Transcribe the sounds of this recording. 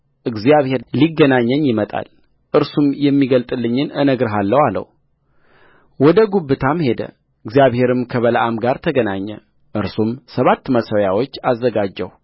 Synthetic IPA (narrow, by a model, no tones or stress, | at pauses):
ʔɨɡzijaβhe̞ɾliɡːənaɲːəɲːjɪmət̪ʼa̰l | ʔɨɾsumjɛmːiɡəlt̪ʼɨlːɨɲːɨnɨnəɡɾɨɦalːəwalə̰w | wɔd̪əɡuβːɨt̪ʰamhe̞d̪ə̰ | ɨɡzijaβhe̞ɾɨmkʰəβələʔamɡaɾt̪ʰəɡənaɲːə̰ | ʔɨɾsumsəβat̪ːməsəwjawo̞t͡ʃːazːəɡad͡ʒːə̰w